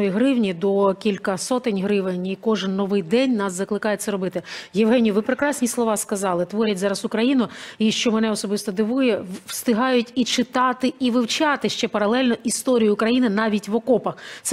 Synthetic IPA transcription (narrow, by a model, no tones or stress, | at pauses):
ɔjiɦɾɪwnʲid̪ɔkʲilʲkɐsɔt̪ɪnʲɦɾɪʋenʲikɔʒɪnːɔʋɪjd̪ɛnʲnɑszɐklˠɪkɑjet̪sɛɾɔbɪt̪ɪjewɦɛnʲijʊʋɪpɾɪkɾɑsʲnʲislˠɔʋɑskɐzɑlˠɪt̪ʋɔɾʲɐtʲzɑɾɐsʊkɾɐjinʊiʃt͡ʃɔmɛnɛɔsɔbɪst̪ɔd̪ɪʋujɛwst̪ɪɦɑjʊtʲit͡ʃɪt̪ɑt̪ɪʔiʋɪwt͡ʃɑt̪ɪʃt͡ʃɛpɐɾɐlˠɛlʲnɔʔist̪ɔɾʲijʊːkɾɐjinɪnɑʋʲitʲʋɔkɔpɐxt̪s